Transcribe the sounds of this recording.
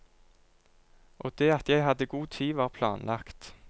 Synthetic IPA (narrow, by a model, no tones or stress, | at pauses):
ʔoːd̪̥eːɑt̪jæɪhɑd̪əɡuːt̪ʰiːʋɑːʁpʰlɑ̰ːnlʔɑkt̪